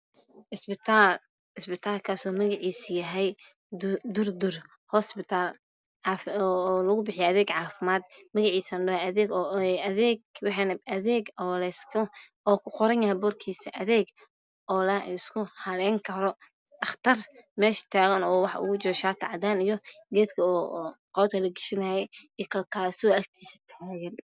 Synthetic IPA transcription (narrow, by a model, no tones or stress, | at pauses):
ɪsbɪt̪ʰal | ɪsbɪt̪ʰaːlkʰaːsɔːmɐɣɪʕiːsjɐɦɛj | d̪ʊrd̪ʊr | hɔspɪt̪ʰaːlː | fːlɐɣʊbɪħɪjɛɐðɛːɡʕɑːfɪmaːd̪mɐɣɪʕiːsɐnɖɐhɛɐðɛːɡɐðɛːɡwɑħɑnɐðɛːɡɔːlɛːskʰɐ | ɔːkʰʊqɔɾɐnjɐhɦɛbɔːrkʰiːsɐʔɐðɛːɡ | ɔːlɐ̰ɪskʰʊhɐlɛːŋkʰɐɾɔ | ɐχt̪ʰɐrmɛːʃɐ̥t̪ʰaːɣɐnɔːwɑħɑ̰ʔʊ̰ɣʊt͡ʃɔːʃaːt̪ʰɐʕɑd̪aːnijɔɡɛːd̪kʰɐqɔːd̪kʰɐlɐɡɪʃɪnɐhɛikʰɐlkʰaːsɪwɔɐk̚t̪ʰiːsɐ̥t̪ʰaːɣɐn